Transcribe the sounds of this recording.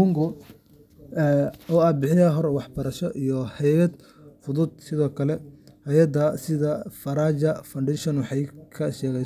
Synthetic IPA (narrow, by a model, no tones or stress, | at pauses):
ʊŋɡʊ | ɛɔːɐd̪bɪħɪjɐɦɔɾwɑħbɐɾɐʃɔʔijɔhɛjɐd̪ | fʊðʊd̪̥̚sɪðɔːkʰɐlɛhɛjɐd̪ɐsɪðɐfɐɾaːt͡ʃɐfɐɳɖɛʃɔnwɑħɑjkʰɐʃɛːɣɛ